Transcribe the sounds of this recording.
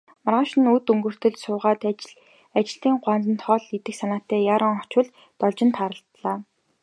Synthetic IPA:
marʁăːʃɪ̆nut̪ɵŋɡɵ̆r̥t̪ɵ̆ɮsʊːʁaːt̪ | at͡ɕɪ̆ɮt̪iːŋɢʷwant͡sə̆nt̪χɔɮit̪ɘ̆ksanaːt̪ːæːjaːɾə̆ŋχɔ̥t͡ɕʊ̆ɮ | t̪ɔɮt͡ɕɪ̆nt̪χaɾə̆ɬt̪ɮaː

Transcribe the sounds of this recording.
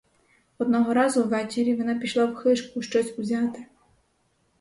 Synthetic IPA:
ɔd̪̚nɔɦɔɾɑzʊwʋɛt͡ʃɪɾʲiʋɔnɑpʲiʃlˠɑwxɪʃkʊʃt͡ʃɔsʲʊzʲɑt̪ɪ

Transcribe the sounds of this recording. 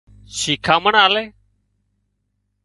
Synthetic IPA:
ʃiːkʰãːməɳaːleː

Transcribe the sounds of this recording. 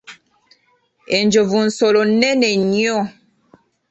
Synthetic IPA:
end͡ʒovun̩solonɛnɛɲiɔ

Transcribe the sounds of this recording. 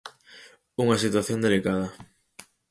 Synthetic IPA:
uŋɐsit̪waθjond̪elikaðɐ

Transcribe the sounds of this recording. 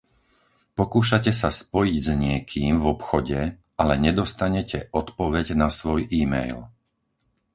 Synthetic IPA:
pɔkuːʃacɛsaspɔjiɟzɲɪɛkʰiːmvɔpxɔɟɛ | alɛɲɛd̪ɔst̪aɲɛcɛʔɔt̪pɔʋɛɟnasʋɔjʔiːmɛ̰jl

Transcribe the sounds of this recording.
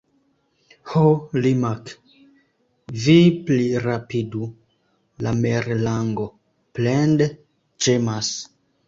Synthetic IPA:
holimak | vipliɾapidu | lameɾlaŋɡo̞ | plende | t͡ʃemas

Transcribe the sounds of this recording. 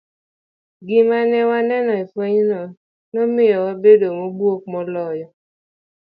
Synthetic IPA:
ɡimanɛwanɛnɔifɔɲinɔ | nomijɔwabedomobuokmɔlɔjɔ

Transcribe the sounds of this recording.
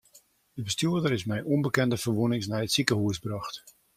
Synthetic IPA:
əbəstjyədəɾɪsmɛjʔɔmbəkɛndəfərʋunɪŋsnɛjətsikəɦuəsbrɑxt

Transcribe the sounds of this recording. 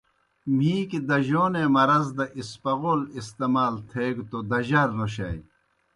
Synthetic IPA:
m̤iːkid̪ɐʑoːnemɐɾɐzd̪ɐʔispɐɣoːlist̪emaːlt̪ʰeːɡt̪od̪ɐʑɐɾnoɕ̬ɐ̰j

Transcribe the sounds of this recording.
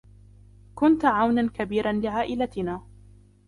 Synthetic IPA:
kʊnt̪ʕawnankabiːɾanlɪʕaːʔɪlat̪ɪnaː

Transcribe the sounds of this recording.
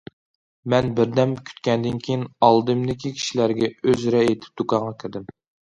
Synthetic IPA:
mɛnbɪɾd̪ɛmkʲʰy̥t̪̚kʲɛnd̪ɪnkʲʰejinɑlˠd̪ɨmd̪ɪkʲʰikʲʰi̥ʃilæɾɡʲɛøzɾɛet̪ʰɪ̥p̚d̪̥ukʰɑɴʁɑkʲʰɪɾd̪ɪm

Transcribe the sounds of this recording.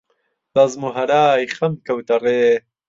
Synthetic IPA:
bɐzmuɦɐɾaːjχɐmkɐwt̪ɐɾeː

